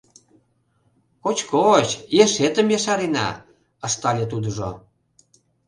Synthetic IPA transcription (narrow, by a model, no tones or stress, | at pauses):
kot͡ɕkot͡ɕjeʃet̪əmjɑʃɑɾenɑ̰ | ə̆ʃt̪ɑlʲet̪̬ud̪əʒo̰